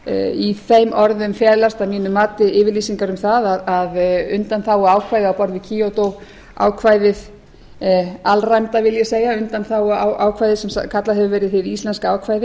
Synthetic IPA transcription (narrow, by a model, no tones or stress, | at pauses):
iθejmʔɔɾðʏmfjɛːðlast̪amiːnʏmaːt̪ɪɪːvɪɾliːsiŋkaɾʏmθaðaðaðʏ̰nt̪anθawɔaːwkʰvajðɪawpɔɾðɪcʰiːowt̪ow | a̰ːwkʰvajðɪð | alrajmt̪avɪljɛseːjɣaʏnt̪anθawɔawʔaːwkʰvajðɪsɛm̰kʰat̪laðhɦɛvʏvɛːɾɪðθɪðist̪lɛnskaaːwkʰvaːjðɪ